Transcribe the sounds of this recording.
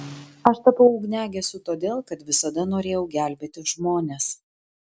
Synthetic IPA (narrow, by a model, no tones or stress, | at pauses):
ɐʃt̪ɐpɐʊʊɡnʲæːɡʲɛsʲʊt̪oːd̪ʲeːlˠkɐt̪ʋʲɪsɐd̪ɐnoːɾʲeːjɛʊɡʲæːˑlʲbʲeːt̪ʲɪʒmoːnʲes